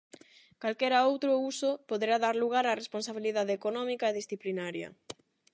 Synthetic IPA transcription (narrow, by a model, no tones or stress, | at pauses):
kalkɛɾaowt̪ɾousopoðeɾaðaɾluɣaɾaresponsaβ̞iliðaðeekonɔmikaeðisθiplinaɾjɐ̰